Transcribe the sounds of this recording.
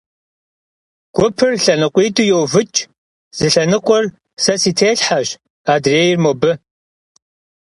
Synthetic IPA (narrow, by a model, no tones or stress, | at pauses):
ɡ̥ʷʊpʰɨrɬɐnɨqʷʼiːtʰʼujowvɨt͡ʃʼ | z̥ɨɬɐnɨqʷʼɔr | sɐsiːtʰeːɬħaɕ | aːdreːjɪrmobɨ